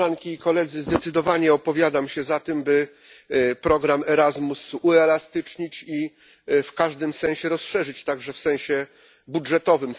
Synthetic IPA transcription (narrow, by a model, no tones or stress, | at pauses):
aŋkʲiːkɔlɛd̪zɘzd̪ɛt̪sɘd̪ɔvaɲɛɔpɔvʲjad̪amɕɛzat̪ɘmbɘ | pɾɔɡɾamɛɾazmusuɛlast̪ɘt͡ʂɲit͡ɕi | fkaʐd̪ɘmsɛ̃w̃ɕɛɾɔsʂɛʐɘt͡ɕt̪aɡʐɛfsɛ̃ɕɛ | budʐɛt̪ɔvɘm